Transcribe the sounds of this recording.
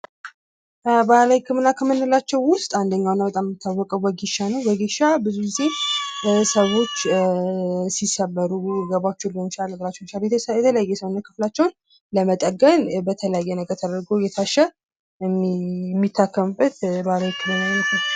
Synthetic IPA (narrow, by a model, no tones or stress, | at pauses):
balajkʰːɨmɨnakʰəmɨnːɨlat͡ʃːɛwːʊst̪ʼand̪əɲːawnːabət̪ʼamːɨt̪ʰːawːɔkʼəwbəɡiʃanəwbəɡiʃabɨzuɡize̞ | səwo̞t͡ʃː | sisəβəɾuɛɡəβat͡ʃːɛwləmt͡ʃaləɡlat͡ʃːɛwnt͡ʃaljɛjɛt̪ʰələjajːɛsəwnːəkʰɨ̥flat͡ʃːɛwn | ləmət̪ʼəɡənbət̪ʰələjajːɛnəɡəɾt̪ʰəd̪əɾɡowjɛt̪ʰaʃːɛ | mɛmːit̪ʰːakːəmbɨt̪balajikʰːɨmɨnanət̪ːə